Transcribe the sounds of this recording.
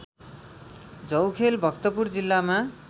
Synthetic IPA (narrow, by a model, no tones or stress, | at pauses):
d͡zʌwkʰelbʱʌkt̪opurd͡zilːama